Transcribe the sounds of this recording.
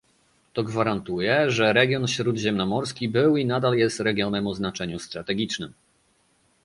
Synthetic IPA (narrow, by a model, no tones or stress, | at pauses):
t̪ɔɡvaɾant̪ujɛʐɛɾɛɡʲjɔnfɕɾud̪ʑɛmnɔmɔɾskʲibɘwinad̪aljɛst̪ɾɛɡʲjɔnɛmɔznat͡ʂɛɲust̪ɾat̪ɛɡʲit͡ʂnɘm